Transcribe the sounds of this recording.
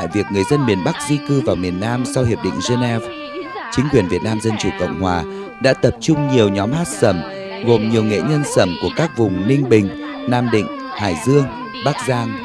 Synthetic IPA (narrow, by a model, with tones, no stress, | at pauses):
a̰˧˨jvi˨˩ək̚ŋɨ˨˩əjzə˧nmi˨˩ənɓa˦˥k̚zi˧kɨ˧vaː˨˩wmi˨˩ənːaː˧msa˧whi˨˩əp̚ɗḭ˧˨ŋ̟ze˧nɛ˧v | t͡ɕï˨˦ŋkwi˨˩ənvi˨˩ət̚naː˧mzə˧nt͡ɕṵ˨˩kə̰˧˨wŋ͡mhwaː˨˩ | ɗa̰ː˧˥t̪ə˨˩p̚t͡ɕʊ˧ŋ͡mɲi˨˩əwɲɔ˨˦mhaː˦˥t̚sə˧˩m | ɣo˨˩mɲi˨˩əwŋḛ˧˨ɲə˧nsə˧˩mku˧˩əkaː˦˥k̚vʊ˨˩ŋ͡mnï˧ŋ̟ɓï˨˩ŋ̟ | naː˧mɗḭ̈˧˨ŋ̟ | haː˧˩jzɨ˧əŋ | ɓa˦˥k̚zaː˧ŋ